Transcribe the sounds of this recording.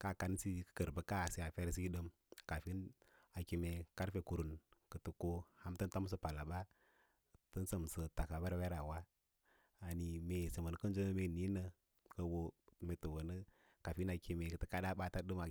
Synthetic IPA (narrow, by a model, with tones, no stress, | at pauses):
ka˦˨ka˨n˦si˦kə̥˨kə˨ɾbə˨ka˦˨si˨˦a˨fe˦ɾs̬i˦ɗə˦m | ka˨fi˦n | a˨ki˨me˨ka˦ɾfe˨ku˨ɾu˨nkə˨tə˨ko˦ha˦mtɨ˦n˦ta˦m˦s̬ə˦pa˨la˨ɓa˦ | tə˦nsə˨m˨sə˨ta˨ka˨ba˦ɾwe˦ɾa˨wa˦ | a˨ni˨me˨sə˨mə˨n˦kə˦n˦d͡ʒo˦nə˦me˦˨ni˦nə˨ | kə˨wo˦me˨tə˨wə˨nə˦ | ka˨fi˦na˨ki˨me˨kə˨tə˦ka˦ɗa˦ɓa˦ta˦ɗɨ˦ma˨